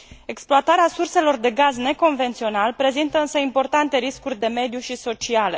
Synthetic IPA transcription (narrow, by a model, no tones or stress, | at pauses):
e̞ksploat̪aɾeasurse̞lo̞rd̪e̞ɡazne̞ko̞nve̞nt̪sio̞nalpɾe̞zint̪əɨnsəimpo̞rt̪ant̪e̞ɾiskurʲd̪e̞me̞d̪juʃiso̞t͡ʃiale̞